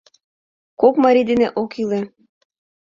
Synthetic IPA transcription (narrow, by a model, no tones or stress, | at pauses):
kokmɑɾʲid̪eneʔokilĕ